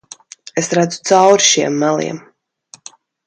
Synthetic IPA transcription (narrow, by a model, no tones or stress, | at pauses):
esɾad̪zu̥t̪sawɾʃiɛmːælˠḭɛm